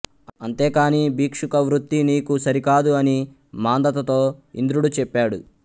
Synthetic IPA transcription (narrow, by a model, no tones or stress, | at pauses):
ɐnt̪e̞ːkaːniːbiːkʂukɐʋɾut̪ːiniːkusɐɾikaːd̪uɐni | maːnd̪ɐt̪ɐt̪o̞ːḭnd̪ɾuɽut͡ʃɛpːaːɽu